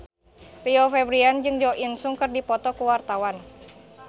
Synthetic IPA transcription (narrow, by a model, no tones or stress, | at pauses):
riɔfɛbɾiand͡ʒɨŋd͡ʒɔʔinsuŋkɨrdipɔt̪ɔkuwart̪awan